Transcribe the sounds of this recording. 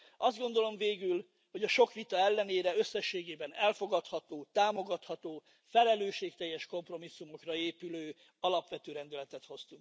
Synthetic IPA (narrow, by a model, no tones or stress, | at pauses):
ɒzd̪ɡo̞nd̪o̞lo̞ɱveːɡyl | ho̞ɟɒʃo̞kʋit̪ɒɛlːɛneːɾɛø̞sːɛʃːeːɡeːbɛnɛlfo̞ɡɒt̪hɒt̪oːt̪aːmo̞ɡɒt̪hɒt̪oː | fɛlɛløːʃeːk̚t̪ɛjːɛʃko̞mpro̞misːumo̞krɒeːpyløː | ɒlɒpʋɛt̪øːɾɛnd̪ylɛt̪ɛt̪ho̞st̪uŋk